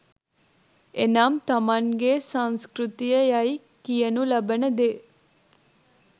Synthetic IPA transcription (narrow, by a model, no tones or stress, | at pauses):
enaːmt̪ɐmaŋɡesaŋskɾut̪ijəjaj | kijənulɐbənəd̪e